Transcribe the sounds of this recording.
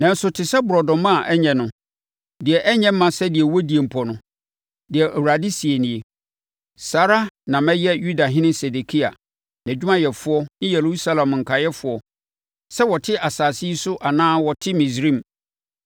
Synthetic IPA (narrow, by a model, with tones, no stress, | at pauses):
nã˨n̩˦sʊ˨tʰɪ˨sɛ˦bʊ˨ɾɔ˨dɔ̃˨mã˦˨ʔɛ˦ɲɛ̃˨nʊ̃˨ | dɪ˨ɛ˨ʔɛ˦ɲɛ̃˦m̩˦mã˨sɛ˦dɪ˨ɛ˨wɔ˦di˨e˨m̩˨pʰɔ˨nʊ̃˦ | dɪ˨ɛ˨ʔæ˨wu˨ɾa˨dɪ˦si˨e˨nɪ̃˨e˨ | saː˨ɾa˦nã˨mɛ̃˦jɛ˦ju˦da˨ɦɪ̃˦nɪ̃˦sɛ˨de˨kʰi˦a˨ | n˨æ˨d͡ʑᶣu˦mã˦jɛ˨fʊ˦ɔ˦nɪ̃˦jɛ˨ɾu˦u˦sa˦lã˨m˨ŋ̩˨kʰa˨jɛ˦fʊ˨ɔ˦ | sɛ˦wɔ˨tʰɪ˦ʔa˨saː˨si˦i˦sʊ˦ʔa˨nãː˦wɔ˨tʰɪ˦mĩ˨sɾĩ˦˨m˨